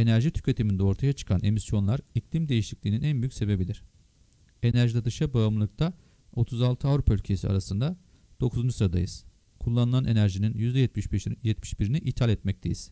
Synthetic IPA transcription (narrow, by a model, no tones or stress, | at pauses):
e̞næɾʒit̪ʰy̥cʰʲet̪ʰimind̪ɛo̞ɾt̪ʰajat͡ʃʰɯ̥kʰanʔe̞misjo̞nlˠaɾiclʲimd̪e̞jiʃiclʲiːninænbyjycʲse̞be̞bilʲiɾ̥ | e̞næɾʒid̪ad̪ɯʃabaɯmlˠɯk̚t̪ʰa | o̞t̪ʰuzalˠt̪ʰɯavɾupʰaylʲcʰe̞sia̰ɾasɯnd̪a | d̪̥o̞kʰuznusɾad̪a̰jɯz̥ | kʰulˠːanɯlˠanʔe̞næɾʒininjyzd̪ɛjɛt̪mi̥ʃbiɾiniʔit̪ʰalʲɛt̪mɛc̚t̪ʰe̞jiz̥